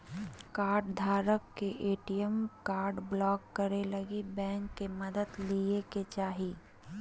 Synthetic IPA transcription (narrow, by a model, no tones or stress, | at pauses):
kaːɾɖd̪ʱaːɾəkːeʔeːʈijəmkaːɾɖblɔːkːəɾeləɡibɛ̃ːŋkːeməd̪əd̪lieket͡ʃaːɦi